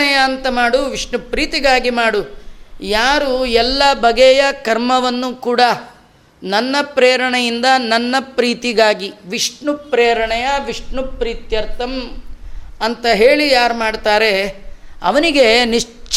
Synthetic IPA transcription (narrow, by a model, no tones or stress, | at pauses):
ɛjɐːnt̪ɐmaːɽuʋiʂɳupɾiːt̪iɡaːɡimaːɽujaːɾuɛlːɐbɐɡɛjɐkɐɾmɐʋɐnːukuːɽɐ | nɐnːɐpɾeːɾɐɳɐjind̪ɐnɐnːɐpɾiːt̪iɡaːɡiʋiʂɳupɾeːɾɐɳɛjɐʋiʂɳupɾiːt̪jɐɾt̪ʰɐm | ɐnt̪ɐɦeːɭijaːɾmaːɽt̪aːɾe̞ɐ̰ʋɐniɡe̞niʂt͡ʃt͡ʃ